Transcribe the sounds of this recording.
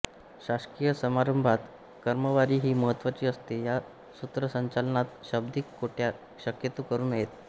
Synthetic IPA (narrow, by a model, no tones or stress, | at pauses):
ɕaɕkijəsəmaɾəmbʱat̪ | kəɾməʋaɾiːɦiːməɦət̪ːʋat͡ɕiːəst̪eja | sut̪ɾəsəɲt͡ɕalnat̪ɕəb̚d̪ʱikːoʈʰja | ɕəkjət̪uːkəɾuːnəɦet̪